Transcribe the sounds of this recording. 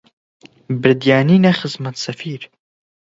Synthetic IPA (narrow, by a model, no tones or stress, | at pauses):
bɪɾd̪jaːniːnɛxɨzmɐt̪sɐfiːɾ